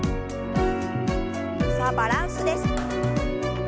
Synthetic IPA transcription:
sabaɾansud̪es

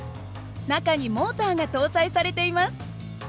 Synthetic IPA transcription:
nakaɲ̟imo̞ːt̪aːɡat̪o̞ːzaisaɾe̞t̪e̞imasɨ̥

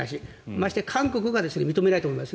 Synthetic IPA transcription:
aɕ̬i | maɕi̥t̪ekʰãŋko̞kɯ̟ɡad̪e̞sɨne̞mʲit̪o̞me̞nait̪omoimasɨ

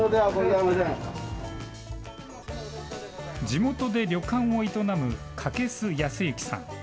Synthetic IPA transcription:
od̪eaɡozaimasẽ | d͡ʑimo̞t̪o̞d̪e̞ɾʲo̞kãɰ̃oit̪o̞namɯ̟ | kʰake̞sɨjasɨiɯkʲi̥sã̰ŋ̃

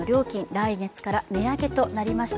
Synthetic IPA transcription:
oɾʲo̞ːkʲĩndaiɡe̞t͡sɨ̥kaɾameake̞t̪o̞naɾʲimaɕi̥t

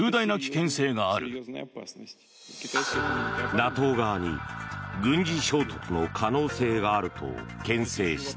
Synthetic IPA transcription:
ɯːd̪ainakʲi̥kẽ̞ɰ̃se̞ːɡaːɾɯ̟ | nat̪o̞ːɡaːɲ̟ḭɡɯ̟̃ɲ̟d͡ʑiɕo̞ːt̪o̥kɯno̞kʰano̞ːse̞ːɡaːɾɯ̟t̪ʰo̞̰kẽ̞ɰ̃se̞ːɕi̥t̪

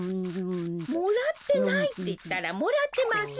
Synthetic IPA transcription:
muɾat̪eŋajt̪it̪aɾamoɾat̪emas

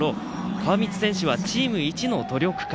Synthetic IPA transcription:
ɾo̞ | kʰaβamʲit͡sɨ̥sẽ̞ɕɨβat͡ɕiːmɯ̟it͡ɕino̞t̪o̞ɾʲo̞kɯ̟̥k

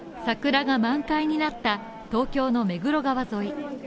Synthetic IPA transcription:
sakɯ̟ɾaɡamãŋkaiɲ̟inat̪ːa | t̪o̞ːkʲo̞ːno̞me̞ɡɯ̟ɾo̞ɡaβazo̞i

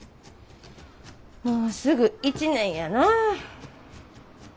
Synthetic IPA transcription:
moːsɨɡɯ̟it͡ɕinẽ̞ɰ̃jana

